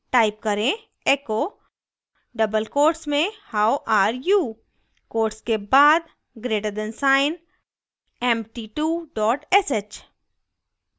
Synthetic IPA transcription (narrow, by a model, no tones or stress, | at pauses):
ʈaːɪp̚kɐɾẽ | eko | ɖɐbəlkoːɾʈsmẽhaːwʔaːɾjuː | koːɾʈskebaːd̪ | ɡɾeːʈədɛ̃nsaːɪn | ɛmʈiːʈuːɖɔːʈɛset͡ʃ